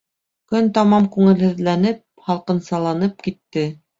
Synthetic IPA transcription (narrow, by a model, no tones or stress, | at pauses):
kɵnt̪ɑmɑmkʉŋɘ̆lhɘ̆ðlænɘp̚hɑlˠqɤ̆nsɑlˠɑnɤp̚kit̪ːɘ